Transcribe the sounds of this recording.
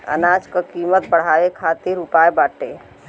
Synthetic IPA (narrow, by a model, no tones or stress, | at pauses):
ə̰naːd͡ʒkəkiːmət̪̚bəɽ̤aːekʰaːt̪iɾupaːebaːʈeː